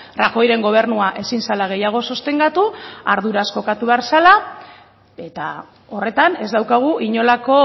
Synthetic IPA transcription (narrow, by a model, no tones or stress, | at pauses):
raxo̞jɾe̞ŋɡo̞β̞e̞ɾnuaʔe̞sinsalaɣ̞ejaɣ̞o̞so̞st̪e̞ŋɡat̪uaɾðuɾasko̞kat̪uβeaɾsala | e̞t̪a | o̞re̞t̪ane̞zd̪awkaɣ̞uʔiɲo̞lako̞